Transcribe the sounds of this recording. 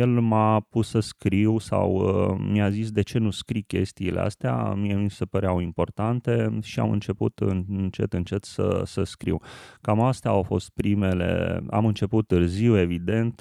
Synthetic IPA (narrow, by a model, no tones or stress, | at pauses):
jelmapusəskɾiwsa̰wmijazis̬d̪e̞t͡ʃe̞nuskɾikʲe̞̰st̪iːlḛa̰st̪ea̰mijemisepəɾeawimpo̞rt̪ant̪e̞ʃia̰mɨ̰nt͡ʃe̞pṵt̪ɨnɨnt͡ʃe̞t̪ɨnt͡ʃe̞t̪sə̰səskɾḭwkamast̪eaːwfo̞̰st̪̚pɾime̞le̞̰a̰mɨnt͡ʃe̞put̪ːɨrziwe̞vid̪e̞nt̪